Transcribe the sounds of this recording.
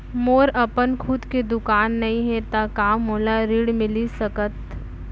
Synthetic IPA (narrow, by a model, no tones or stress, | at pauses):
moːɾɐpənkʰʊd̪ked̪ʊkaːnːɐɦĩɦɛt̪akaːmːoːlaɾiːɽmɪlisɐkət̪